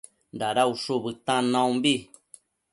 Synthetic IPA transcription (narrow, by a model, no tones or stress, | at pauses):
ndaɾauʂubɨt̪ãnãũmbi